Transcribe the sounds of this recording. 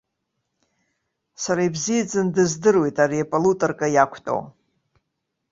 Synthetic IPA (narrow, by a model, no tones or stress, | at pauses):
saɾaibzijad͡zɨndɨzdɨrwe̞jtʼariepʼolutʼorkʼajakʷʰtʼo̰